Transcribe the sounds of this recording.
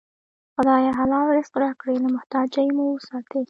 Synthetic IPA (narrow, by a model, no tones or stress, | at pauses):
xʊd̪ɑjaɦalɑlɾɪsqɾakɽelamʊht̪ɑd͡ʒajemuwəsɑt̪e